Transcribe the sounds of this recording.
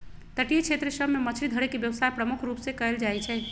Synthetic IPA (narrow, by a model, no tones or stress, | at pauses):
t̪əʈijet͡ʃʰet̪ɾəsəbʱmemət͡ʃʰɾid̪ʱəɽekebjəʋsajpɾəmukʰɾupsẽkəeld͡ʒaɛt͡ʃʰɛ